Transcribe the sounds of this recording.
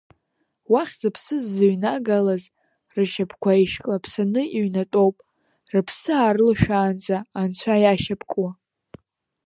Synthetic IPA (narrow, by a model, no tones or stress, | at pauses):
waχʲzɨpʰsɨzːɨɥnaɡalaz | rɨʃapʰkʷʰaiʃkʼapʰsanɨʔiɥnatʼowpʼ | rɨpʰsɨaːrɨlʃᶣaːnt͡sʼaːnt͡ɕʷʰajaʃapʰkʼwa